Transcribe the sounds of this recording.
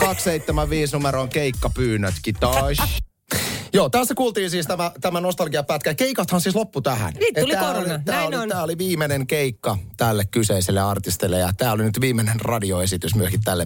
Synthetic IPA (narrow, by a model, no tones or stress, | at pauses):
kɑksseit̪ːemæʋʋiːsnumeɾoŋkeikːɑpyːnːøt̪kit̪ɑs | joːt̪æsːækuːlt̪iːnsiːst̪æmæt̪æmænost̪ɑlɡiɑpæt̪̚kækeikɑt̪hɑnsiːslopːut̪æhæ̰nniːtɑult̪æːlit̪ææːolit̪æːoliʋiːmeneŋkeikːɑt̪ælːekkyseiselːeɑrt̪ist̪elːejɑt̪æːolinyt̪ʋiːmenenrɑdioesit̪ysmyøskit̪t̪ælːe